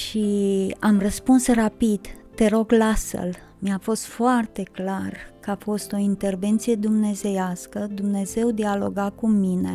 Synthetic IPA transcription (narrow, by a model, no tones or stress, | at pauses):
ʃiamrəspunsrapid̪ːe̞ɾo̞ɡlasə̰l | miafo̞st̪foart̪e̞klarkəafo̞st̪o̞int̪e̞rve̞nt̪sije̞d̪umne̞ze̞jaskəd̪umne̞ze̞wd̪ialo̞ɡakuminḛ